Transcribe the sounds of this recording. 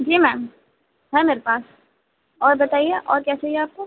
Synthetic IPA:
d͡ʒiːmɛːm | ɦɛ̃meːɾepaːs | ɔːɾbɐt̪aːieʔɔːɾkjaːt͡ʃaɦieaːp̚ko

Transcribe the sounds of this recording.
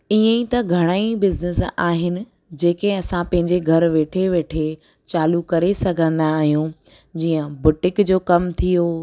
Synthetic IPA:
iːə̃ĩt̪ɐɡʱɐɽ̃aːibɪznɪsaːɦɪnɪ̆ | d͡ʑeːkeɐsãpɐ̃ɦɪ̃ɲd͡ʑeɡʱɐɾʋeːʈʰeʋeːʈʰe | t͡ɕaːlukɐɾesɐɡʱə̃nd̪aːɦijũ | d͡ʑiːə̃bʊʈɪkd͡ʑoːkɐmt̪ʰijoː

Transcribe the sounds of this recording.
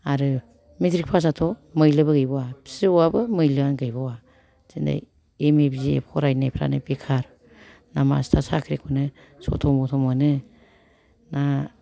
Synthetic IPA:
aɾɯ | mitɾik̚pʰas̬atʰɔmɯjlɯbɯɡɯjbɔwabʰi̥sɯɔabɯmɯjlɯanɡɯjbɔwa | zinda̰j | emebziḛp̚kʰɔɾajnajpʰɾa̰nɯpekʰaɾ | nama̰stʰasakʰɾekʰunɯ | sɔ̰tʰɔmɔtʰɔmɯnɯ | na

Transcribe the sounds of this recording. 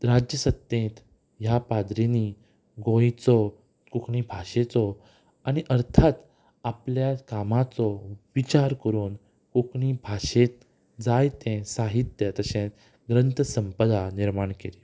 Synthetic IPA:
ɾad͡ʑjəsət̪jẽt̪ | ɦjapad̪ɾeni | ɡõjt͡sɔ | kukʰɳibʱaɕet͡sɔ | añiʔəɾt̪ʰat̪ | apljakamat͡sɔʋit͡ɕaɾkəɾuːn | kukɳibʱaɕet̪̚ | d͡zajt̪ɛ̃saɦit̪jət̪əɕẽ | ɡɾənt̪əsəmpəd̪aniɾmaɳkeli

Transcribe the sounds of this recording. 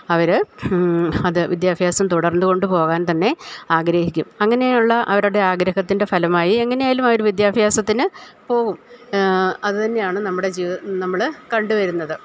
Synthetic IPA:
ɐʋɐɾ | ɐðɨʋʔid̪jaːbʱjaːsɐmt̪uɽɐrnːuɣo̞ɳɖɨpo̞ːɣaːnt̪ɐnːe̞aːɡɾɐːhikʲːumɐŋːɐne̞juɭːɐʔɐʋɐɾuɽe̞aːɡɾɐɦɐt̪ːinde̞fɐlɐmaːjie̞ŋːɐnejaːlumɐʋɐɾʋid̪jaːbʱjaːsɐt̪ːinɨpo̞ːɣum | ɐðɨt̪ɐnːe̞jaːɳɨnɐmːuɽe̞d͡ʑiːnɐmːɐɭkɐɳɖuʋɐɾunːɐðɨ

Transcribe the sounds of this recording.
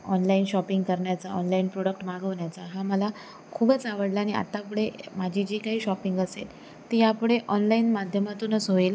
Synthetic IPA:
ɔnlainɕɔpiŋɡkəɾɳjat͡saɔnlainpɾoɽək̚ʈmaɡəʋɳjat͡saɦaməla | kʰuːbət͡saʋəɽlaːñia̰t̪ap̬ɽemad͡ʑʱid͡ʑiːkaɦiːɕɔpiŋɡəsḛl | t̪ijapɽeʔɔnlainmad̪ʱjəmat̪uːnət͡sɦoiːl

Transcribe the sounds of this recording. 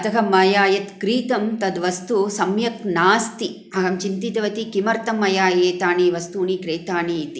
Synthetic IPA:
ɐt̪ɐɦɐmːɐjaːjɐt̪kɾiːt̪ɐmt̪ɐd̪ʋɐst̪usɐmjɐknaːst̪i | ɐɦɐmt͡ʃint̪it̪ɐʋɐt̪ikimɐɾt̪ɐmːɐjaːjeːt̪aːɳiːʋɐst̪uːɳikɾeːt̪aːɳit̪i

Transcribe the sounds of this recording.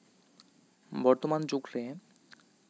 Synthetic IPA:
bɔɾt̪omant͡ɕukle

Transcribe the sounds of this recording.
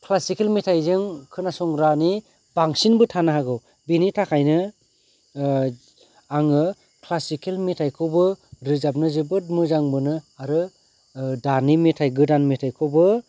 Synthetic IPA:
kʰlasikelmitʰajzɯŋkʰɯnasɔŋɾani | baŋsinbɯtʰanaɦaɡɯw | binitʰakʰajnɯ | aŋɯ | kʰlasikelmitʰajkʰɯwbɯɾɯzap̚nɯzebɯt̚mɯzaŋbɯnɯaɾɯ | danimetʰajɡɯdanmetʰajkʰɯwbɯ

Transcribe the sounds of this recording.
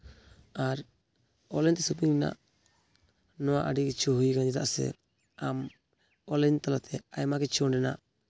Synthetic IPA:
aɾ | ɔlɛnt̪ɛsupiŋɾina̰ʔ | nɔwaʔaɖikɛt͡ʃʰuɦujkand͡ʒɛt̪a̰ʔsɛ̰ | am | ɔlɛɲt̪alat̪ʰɛajmakɛt͡ʃʰɔnɖɛna̰ʔ

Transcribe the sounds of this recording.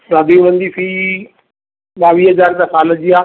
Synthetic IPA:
daːd̪iũʋə̃nd̪ifi | ɓaːʋiːɦɐzaːɾt̪asaːləd͡ʑiaː

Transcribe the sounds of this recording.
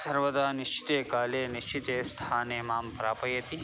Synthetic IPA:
sɐɾʋɐd̪aːniʃt͡ʃi̥t̪eːkaːleːniʃt͡ʃit̪eːst̪ʰaːneːmaːmpɾaːpɐjɐt̪i

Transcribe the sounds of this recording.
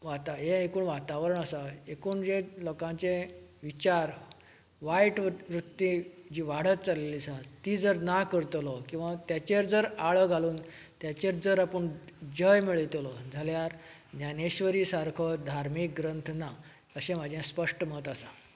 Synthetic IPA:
ʋat̪aɦẽekuːɳʋat̪aʋɾəɳəsaekuːɳd͡ʑelɔkãt͡se | ʋit͡ɕaɾ | ʋajʈʋʋɾut̪ːid͡ʑiːʋaɽ̤ət̪t͡salelisat̪iːd͡zəɾnakəɾt̪lɔkĩw̃ʋat̪jat͡ɕeɾd͡zəɾaɭɔɡʱaluːn | t̪jat͡ɕeɾd͡zəɾapəɳd͡ʑəjmiɭt̪lɔd͡zʱaljaɾ | naneɕʋəɾiːsaɾkʰɔd̪ʱaɾmik̚ɡɾənt̪ʰna | əɕẽm̤ad͡ʑʱjẽspəʂʈəmət̪asa

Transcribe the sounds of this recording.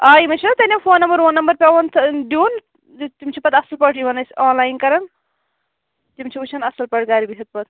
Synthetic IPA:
aːimɐt͡ʃʰɐt̪ɐnʲimpʰoːnːɐmbɐɾonːɐmbɐɾpʲɐwɐnt̪ʰd̪uːn | t̪imt͡ʃʰipɐt̪ɐsɐlpɐʈʰibɐnɐsʲaːnlaːjnkɐɾɐn | t̪imt͡ʃʰiut͡ʃʰɐnɐsɐlpɐʈʰɡaːɾibisɐt̪̚pɐt̪

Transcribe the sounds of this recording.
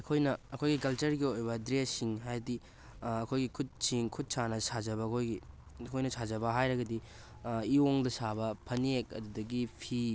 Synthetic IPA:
ɐkʰojnɐːkʰojɡikɐlt͡ʃɐɾɡiojbɐdɾesiŋɦajɐdi | ɐkʰojɡikʰut̚siŋkʰut̚sanɐsazɐbɐːkʰojɡi | kʰojnɐsad͡ʒɐbɐɦajɾɐɡɐdi | ioŋdɐsabɐpʰɐnekɐ̰dudɐɡipʰi

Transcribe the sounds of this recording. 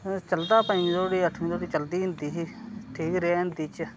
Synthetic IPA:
t͡ʃəld̪aːpə̃mĩːt̪oːɽiːəʈʰmĩːt̪oːɽiːt͡ʃəld̪iːɦɪ̃nd̪iːɦʈʰiːkɾeaɦɪ̃nd̪iːt͡ʃ

